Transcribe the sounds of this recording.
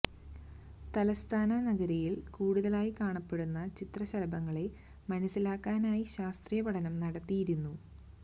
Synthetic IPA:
t̪ɐlɐst̪ʰaːnɐnɐɡɐɾijilkuːɽuðɐlaːjikaːɳɐpːe̞ɽunːɐt͡ɕit̪rɐɕɐlɐbɐŋːɐɭe̞ | mɐnɐsːilaːkːaːnaːjiɕaːst̪rijɐbɐɽɐnɐmnɐɽɐt̪ːijiɾunːu

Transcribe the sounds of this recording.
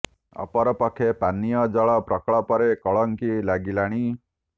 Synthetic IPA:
ɔ̰pɔɾɔpɔkʰepanijɔd͡ʒɔɭɔpɾɔkɭɔpɔɾekɔɭɔŋkilaɡilaɽ̃i

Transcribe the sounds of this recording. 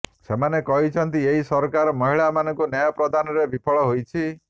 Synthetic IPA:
semanekɔɦit͡ʃʰɔnt̪ieɦisɔɾkaɾɔmɔɦiɭamanɔ̃ŋkunjɔjɔpɾɔd̪ʱanɔɾebʱipʰɔɭɔɦojt͡ʃʰi

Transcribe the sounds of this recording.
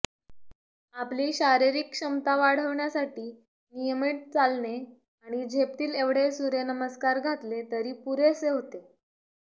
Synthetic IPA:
apliːɕaɾiɾikɕəmt̪aʋaɽ̤əʋɳjasaʈiː | nijəmiːʈ̚t͡salne | aɽ̃id͡ʑʱep̚t̪iːleʋɽ̤esuɾenəməskaɾɡʱat̪let̪əɾiːpuɾeseɦot̪e

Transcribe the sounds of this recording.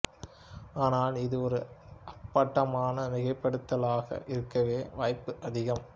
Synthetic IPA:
aːnaːlɪðɯɔɾɯʔɐpːɐʈːɐmaːnɐnɪɣɐɪpːɐɽɯt̪ːɐlaːɣɐ̰ʔɪɾɯkːɐʋeːʋaːjpːɯʔɐðɪɣɐm

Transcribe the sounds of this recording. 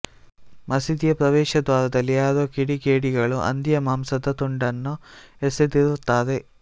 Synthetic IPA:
mɐsid̪ijɐpɾɐʋɛːʃɐd̪ʋaːɾɐd̪ɐlːiaːɾoːkiɽiɡeːɽiɡɐɭuʔɐ̰nd̪ijɐmaːmsɐt̪ɐt̪uɳɖɐnːuesed̪iɾut̪ːaːd̪e

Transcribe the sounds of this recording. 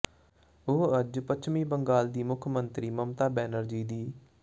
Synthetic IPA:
oːəd͡ʒpət͡ʃʰmiːbəŋɡaːld̪iːmʊkʰmənt̪ɾiːməmt̪aːbɛːnəɾd͡ʒiːd̪iː

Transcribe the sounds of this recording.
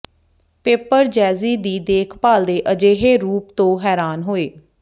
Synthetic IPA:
peːpəɾd͡ʒɛːziːd̪iːd̪eːkʰpaːld̪eːʔəd͡ʒeːɦeːɾuːpt̪õːɦɛːɾaːnɦoːeː

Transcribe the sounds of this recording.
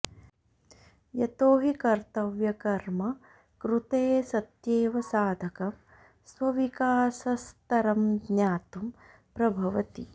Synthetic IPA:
jɐt̪oːɦikɐɾt̪ɐʋjɐkɐɾmɐ | kɾut̪eːsɐt̪jeːʋɐsaːd̪ʱɐkɐm | sʋɐʋikaːsɐst̪ɐɾɐmɡɲaːt̪um | pɾɐbʱɐʋɐt̪ḭ

